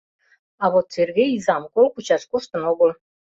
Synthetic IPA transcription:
ɑβot̪serɣejizɑmkolkut͡ɕɑʃkoʃt̪ə̆noɣəl

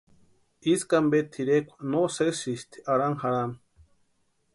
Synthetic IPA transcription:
iskambet̪ʰiɾekʷʰḁnosesist̪ʰi̥ʔaɾaŋhaɾan

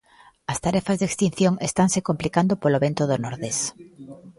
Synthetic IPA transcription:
ast̪aɾɛfazðekst̪in̟θjoŋest̪ansekomplikand̪opoloβent̪oðonoɾðes

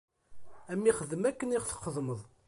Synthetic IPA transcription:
æmːiχəðəmækːəniʁθə̥qːəðˤməðˤ

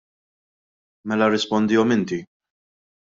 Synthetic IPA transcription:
mɛlɐɾɪspɔnd̪ɪːɔmɪnt̪i

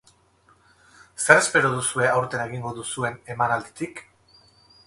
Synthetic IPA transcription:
seɾe̞spe̞ɾoð̞usue̞awɾt̪e̞nae̞ɣ̞iŋɡo̞ðusue̞ne̞manald̪it̪ik

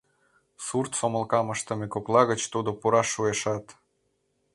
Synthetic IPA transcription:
surt̪somə̆lkɑməʃt̪ə̆mekoklˠɑɣət͡ɕt̪ud̪opuɾɑʃueʃɑt̪

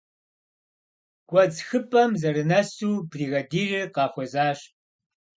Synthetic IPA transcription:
kʷʼɔd͡zxɨpʼɐmzɐɾɨnɐsuːbriːɣɐdiːrɨqɑːxʷɔzaːɕ

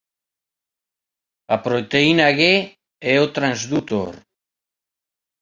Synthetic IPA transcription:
apɾot̪einaɣe | eot̪ɾanzd̪ut̪o̰ɾ

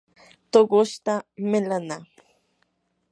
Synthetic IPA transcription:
t̪okʊʃt̪amɪlana

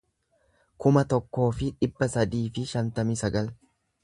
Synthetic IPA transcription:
kʊmɐt̪ɔkːo̞ːfɪᶑɪbːɐsɐd̪iːfɪʃɐnt̪ɐmɪsɐɡɐl

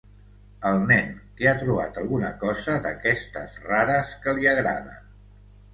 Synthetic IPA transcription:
əlˠnɛnkiat̪ɾuβ̞a̰t̪əlˠɣunəkɔzəðəkɛst̪ə̰zraɾəskəliəɣɾa̰ðə̰

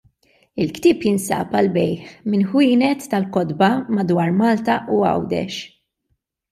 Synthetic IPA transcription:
ɪlkt̪ɪːpjɪnsɐ̰ːpɐlbɛjħmɪnħwiːnɛt̪ːɐlkɔd̪bɐmɐd̪wɐːɾmɐːlt̪ɐʔuɐ̰wd̪ɛ̰ʃ

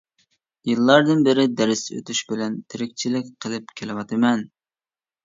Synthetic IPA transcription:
jɨlˠːɑɾd̪ɨnbɪɾɪd̪æɾɪsø̰t̪ʰyʃbɪlɛnt̪ʰɪɾɪkʲt͡ʃʰilɪkʲqʰəlˠɪp̚kʲʰelˠɪwɑt̪ʰɨmɛn

